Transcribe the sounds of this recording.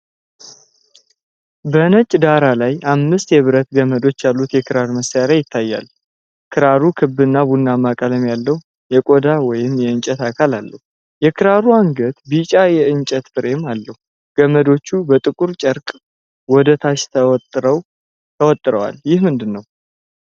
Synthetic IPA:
bənət͡ʃʼːd̪aɾalajamːɨst̪jɛβɨɾət̪ɡəməd̪o̞t͡ʃːjalːut̪jɛkʰɨɾaɾməsjaɾajɪt̪ʰːajːa̰l | kʰɨɾaɾukʰɨbːɨnːaβunːamakʼələmjalːəhu | jɛkʼod̪awɔjɪmjɛɨnt͡ʃʼət̪akʰalalːəhu | jɛkʰɨɾaɾuaŋɡət̪bit͡ʃʼajɛɨnt͡ʃʼɛt̪fɨɾemalːəhu | ɡ̥əməd̪o̞t͡ʃːubət̪ʼɨkʼuɾt͡ʃʼəɾkʼ | wɔd̪ət̪ʰaʃt̪ʰət̪ʼɾəw | t̪ʰəwɔt̪ʼːɨɾə̰wa̰ljɪhmɨnd̪ɨnːəw

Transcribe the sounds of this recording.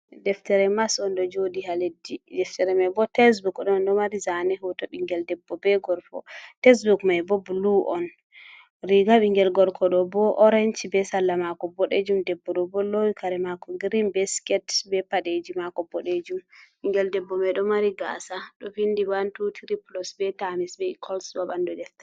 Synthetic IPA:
dɛftɛɾɛmasɔndɔd͡ʒodihaledːidɛftɛɾɛmajbɔtɛs̬bukɗɔndɔmaɾizanɛhɔtɔɓiŋɡɛldɛbːɔbɛɡɔɾfɔ̰tɛs̬bukmajbɔbuluʔɔn | ɾiɡaɓiŋɡɛlɡɔɾkʰɔɗɔbɔʔɔɾɛnt͡ʃbɛsalːamakɔbɔɗed͡ʒumdɛbːɔɗɔbɔlowikaɾɛmakɔɡɾinbɛskɛtbɛpaɗed͡ʒimakɔbɔɗed͡ʒumɓiŋɡɛldɛbːɔmɛɗɔmaɾiɡa̰saɗɔfindibantutʰɾiplɔsbɛtamisbɛikʰɔlsbabandɔdɛfta

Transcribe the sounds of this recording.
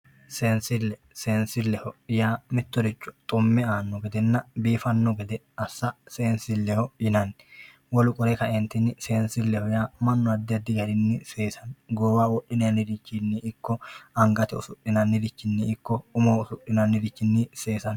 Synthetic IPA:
seːnsɪlːɛ | seːnsɪlːɛhɔɪjaːmɪt̪ːɔd̪ɪt͡ʃːɔ̥t̪ʼʊmːɛaːnːɔɡɛd̪ɛnːɐbiːfɐnːɔɡɛd̪ɛ | ɐsːɐseːnsɪlːɛhɔjɪnɐnː | wɔlʊkʼɔɾɛkɐʔɛnt̪ɪnːɪse̞ːnsɪlːɛhɔjaːmɐnːɔɐd̪ːɪɐd̪ːɪɡɐɾɪnːɪse̞ːsɐnɡoːwaːwɔɗːɪnɐɐnɪɾɪt͡ʃːɪnːɪʔɪkːɔɐŋɡɐt̪ɛʊ̰sʊɗːɪnɐnːɪɾɪt͡ʃːɪnːɪɪkːɔʊmoːʊsʊʔːɪnɐnːɪɾɪt͡ʃːɪnːɪse̞ːsɐn

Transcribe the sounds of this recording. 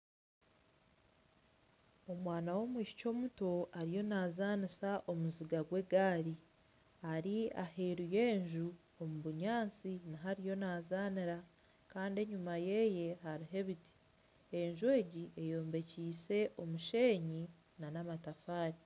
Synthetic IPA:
o̞mwaːnawo̞mwiːʃi̥co̞ːmuto̞aɾijo̞naːzanisaʔo̞muziɡaɡwe̞ɡaːɾi | aɾiaheɾuje̞ːɲʒu | omuβuɲaːnt͡sinaɦaɾijo̞naːzaːniɾa | kaːndie̞ɲumaje̞je̞ɦaɾiɦe̞βiti̥ | eɲʒuwe̞ːɟiʔe̞jo̞ːmbe̞ciːse̞ʔo̞muʃe̞ːɲi | nanamatafaːɾi

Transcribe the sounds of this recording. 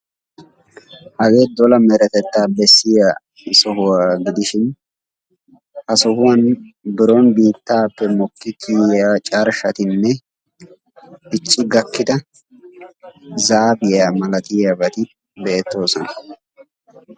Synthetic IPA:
ʔɐɡe̞ːd̪ɔlɐmɛɾɛt̪ɛt̪ːaːbɛsːɪja | sɔɦʊwaːɡɪd̪ɪʃɪn | hɐsɔhʊwɐnbɪɾo̞ːnbiːt̪ːaːpːɛmɔkːɪk̪ʰijaːt͡ʃʼaɾʃɐt̪ɪnːɛ | ɪt͡ʃʼːɪɡɐkːɪd̪ɐ | zaːbɪjaːmɐlɐt̪ɪjabɐt̪ɪ | beːt̪ːo̞ːsɔnɐ̥

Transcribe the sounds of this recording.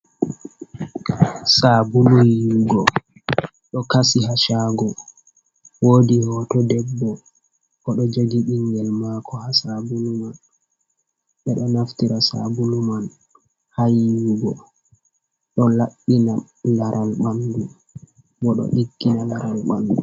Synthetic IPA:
sabulujuɡɔ | ɗɔkasiɦaʃaɡɔ | woːdihɔtɔdɛbːɔ | kɔɗɔd͡ʒoɡiɗiŋɡɛlmakɔhasabuluman | ɓɛɗɔnaftiɾasa̰buluman | hajuɡɔ | ɗɔlaɓːina | laɾʔalɓandu | bɔɗɔ̰ɗiɡːinanaɾalɓa̰ndṵ

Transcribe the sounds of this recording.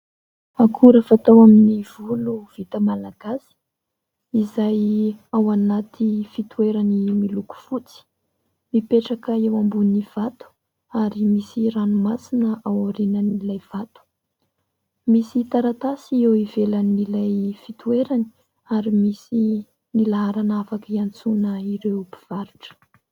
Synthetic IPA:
akʰuɾəfat̪awaminiv̥uluv̥it̪əmalaɡasi̥ | izajawanat̪ʰifit̪ueɾanimiluku̥fut͡si̥ | mipeʈ͡ʂakəewambuniv̥at̪u̥ | aɾimisiranumasinəʔawaɾinanilajv̥at̪u̥ | misit̪aɾat̪asiewivelanːilajfit̪ueɾani | aɾimisi | nilaɦaɾanafakiant͡sunəiɾewpi̥v̥aɾuʈ͡ʂə̥

